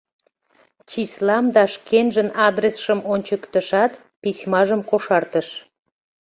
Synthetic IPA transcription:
t͡ɕislɑmd̪ɑʃkenʒənɑd̪resʃəmonʲt͡ɕəkt̪əʃɑt̪ | pismɑʒəmkoʃɑrt̪əʃ

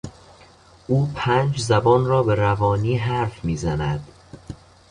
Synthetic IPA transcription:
ʔuːpʰæːnd͡ʒzæbɒːnrɒːbe̞ɾævɒːniːɦæɾfmiːzænæd̪̥

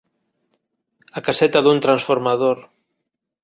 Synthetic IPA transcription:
akasɛt̪aðunt̪ɾansfoɾmaðoɾ

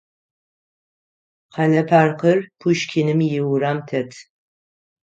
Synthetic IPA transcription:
qʰɑnɐpʰaːrqərpʰuʃkʲʰɪnɨmjɪwɾaːmtʰɐtʰ

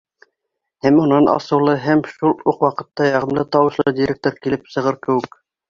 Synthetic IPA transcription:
hæmunɑnɑ̰sɤ̆wlˠɤɦæmʃulˠuqwɑqɤ̆t̪ːɑjɑʁɤ̆mlˠɤt̪ɑwɤ̆ʃlˠɤd̪ʲiɾʲek̚t̪oɾkilɘpsɤ̆ʁɤɾkɘ̆wɘk

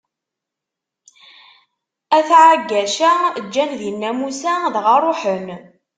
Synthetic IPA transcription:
æθʕaɡːæʃæd͡ʒːænðinːæmusæðʁaɾˤoħən

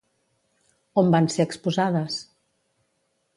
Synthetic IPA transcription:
ombanseəkspuzaðəs

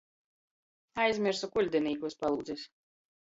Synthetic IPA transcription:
ajzʲmʲiɾsukulʲd̪ɛniːkuspalˠuːd̪zɛs

